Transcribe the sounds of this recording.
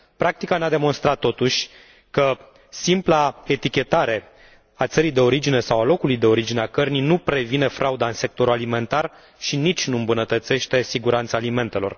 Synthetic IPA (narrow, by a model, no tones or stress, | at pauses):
pɾak̚t̪ikanead̪e̞mo̞nst̪ɾat̪ːo̞t̪uʃʲ | kə | simplae̞t̪ikʲe̞t̪aɾe̞ | at̪səɾijd̪e̞o̞ɾid͡ʒine̞sawalo̞kulujd̪e̞o̞ɾid͡ʒineakərnijnupɾe̞vine̞fɾʔaud̪aɨnse̞k̚t̪o̞ɾualime̞nt̪ar | ʃinit͡ʃʲnuɨmbunət̪ət̪se̞ʃt̪e̞siɡuɾant̪saːlime̞nt̪e̞lo̞̰r